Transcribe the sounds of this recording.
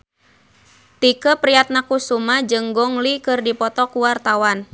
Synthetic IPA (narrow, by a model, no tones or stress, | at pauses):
t̪ikəpɾiat̪̚nakusumad͡ʒɨŋɡɔŋlikɨrdipɔt̪ɔkuwart̪awan